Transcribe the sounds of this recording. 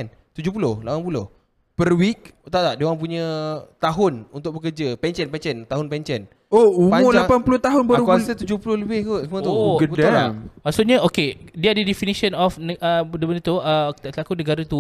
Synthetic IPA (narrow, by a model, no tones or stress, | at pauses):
n | t̪ud͡ʒʊhpulʊhlapanpulʊh | pərwik̚t̪at̪aʔdewãŋp̬uɲə̃t̪aɦʊnṵnt̪ʊk̚bəkərd͡ʒapɛɲt͡ʃənpɛɲt͡ʃənt̪aɦʊnpɛɲt͡ʃən | oumʊlapanpulʊht̪aɦʊnbəkasət̪ud͡ʒʊhpulʊhləbɪhkusəmũət̪uɡud̪aammasuʔɲəokediadədifinisənɔfnəədəbənit̪uəlakunəɡaɾat̪u